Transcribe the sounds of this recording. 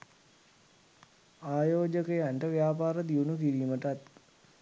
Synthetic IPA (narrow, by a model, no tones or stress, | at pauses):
aːjoːd͡ʒəkəjaɳʈəʋjaːpaːɾəd̪iunukiɾiːməʈat̪̚